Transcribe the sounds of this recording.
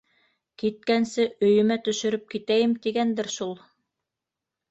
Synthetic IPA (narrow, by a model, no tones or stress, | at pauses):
kit̪̚kænsɘʔɵ̆jɵ̆mæt̪ɵ̆ʃɵ̆ɾɵp̚kit̪æjɘmt̪iɡænd̪ɘɾʃulˠ